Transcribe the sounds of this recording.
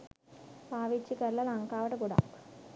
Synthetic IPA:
paːʋit͡ʃːikɐɾlɐlɐŋkaːʋɐʈɐkuɽa̰ːk

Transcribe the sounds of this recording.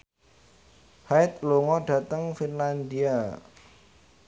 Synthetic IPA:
haɪt̪̚loŋɔɖ̥ä̤t̪əŋfinland̪ia

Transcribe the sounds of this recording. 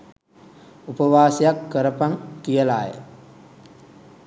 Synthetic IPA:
upɐʋaːsijakːəɾɐpaŋkijɐla̰ːjə̰

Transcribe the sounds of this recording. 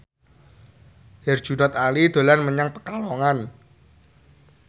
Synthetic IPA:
hɛr̥ʒ̥unɔt̪alid̪̥o̤lanməɲaŋpəkalɔŋan

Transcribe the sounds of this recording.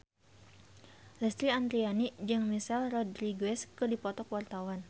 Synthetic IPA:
lɛst̪ɾiand̪ɾianid͡ʒɨŋmisalrɔdɾiɡwɛskɨdipɔt̪ɔkwart̪awan

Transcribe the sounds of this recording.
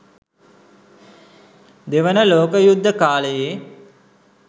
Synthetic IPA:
d̪eʋənəloːkəjud̪ʱːəkaːləjeː

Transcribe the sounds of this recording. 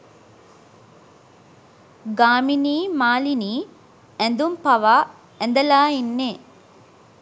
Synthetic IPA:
ɡaːminiːmaːliniː | ænd̪umpaʋa | ɛnd̪əlaːinːeː

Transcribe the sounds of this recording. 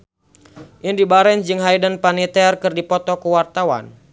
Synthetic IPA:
ʔindibaɾɛnd͡ʒɨŋɦajdənpanit̪ɛrkɨrdipɔt̪ɔkəwart̪awa̰n

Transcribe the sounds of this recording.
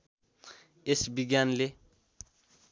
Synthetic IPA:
esbiɡjanle

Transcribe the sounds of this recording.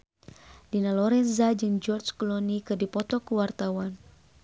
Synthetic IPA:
dinalɔɾɛnzad͡ʒɨŋd͡ʒɔrd͡ʒkɔlɔnikɨrdipɔt̪ɔkəwart̪awan

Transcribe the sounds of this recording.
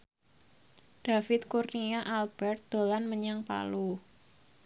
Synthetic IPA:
ɖ̥afɪt̪̚kurniaʔalb̥ɛrt̪̚d̪̥o̤lanməɲaŋpa̰lu

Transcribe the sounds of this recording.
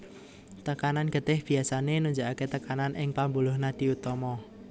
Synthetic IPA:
t̪əkananɡ̥ə̤t̪ɪhb̥i̤asanenuɲd͡ʒaʔaket̪əkananʔɪŋpambulʊhnad̪̥i̤ut̪ɔmɔ

